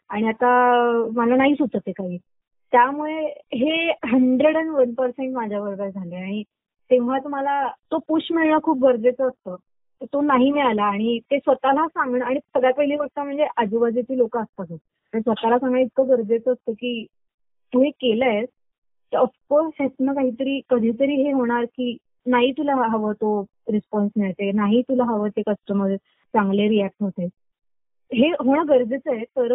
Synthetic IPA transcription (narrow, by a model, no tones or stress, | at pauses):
aɽ̃iat̪amalanaɦiːsud̪ət̪ekaɦiː | t̪jamuɭeɦeɦəɳɖɾeɽənʋənpəɾseɳʈmad͡ʑʱjaʋəɾɡəɾd͡zʱaleaɽ̃i | t̪eʋ̤̃at̪um̤alat̪opuɕmiɭɳəːkʰuːp̚ɡəɾd͡zet͡səːst̪əː | t̪ət̪onaɦiːmiɭalaːɽ̃it̪esʋət̪alasaŋɡɳəːaɽ̃isəɡɭjapəɦiliːʋəɡ̚t̪əm̤əɳd͡zeʔəd͡ʑubad͡zet͡ɕiːlokəːst̪aɡ̪ə | əɳsʋət̪alasãŋɡɳãit̪̚kʰəɡəɾd͡zet͡səːst̪əːkiː | t̪uɦekeləjs | t̪əəfkoɾshet̪nək̬aɦiːt̪əɾiːkəd̪ʱiːt̪̬əɾiːɦeɦoɽ̃aɾkiː | naɦiːt̪ulaɦəʋət̪o | ɾispɔnsmeɭt̪enaɦiːt̪ulaɦəʋəːt̪ekəsʈəməɾ | t͡saŋɡleɾiæk̚ʈɦot̪e | ɦeɦoɳɡəɾd͡zət͡səet̪əɾ